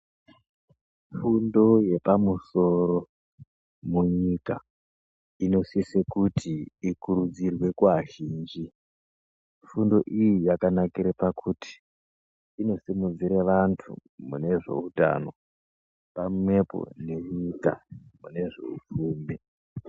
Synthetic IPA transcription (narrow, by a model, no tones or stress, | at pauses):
fundo̞je̞pamuso̞ɾo̞ | muɲika̰ | ino̞sisekutʰiikuɾud͡zirwe̞kwaʒiːnd͡ʒi | fundo̞ʔijijakanakiɾepakʰutʰi̥ | ino̞simud͡ziɾeʋantʰṵmune̞ʐe̞̰uta̰no̞̰ | pamme̞po̞̰ne̞ɲika̰mune̞ʐe̞̰ṵfuːmbi